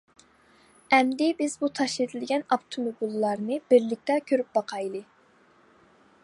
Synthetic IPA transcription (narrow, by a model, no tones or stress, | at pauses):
ɛmd̪ɪbɪzbut̪ʰɑʃed̪ɪlɡʲɛnɑpt̪ʰumubilˠːɑɾnɨbɪɾlɪk̚ʲt̪ɛkʲʰøɾyp̚bɑqʰɑjlˠɨ